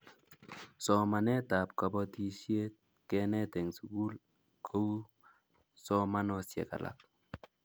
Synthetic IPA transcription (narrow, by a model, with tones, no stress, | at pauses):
sɔ˨ma˨nɛ˦ta˨p̚ka˨bɔ˦ti˦˨ʃje˦t̚ | kɛ˦nɛ˦tɛ˨ŋsu˨ku˦l | kʰo˦wu˦ | sɔ˦ma˦nɔ˨sjɛ̰˨ka̰˨lʔa̰˨k̚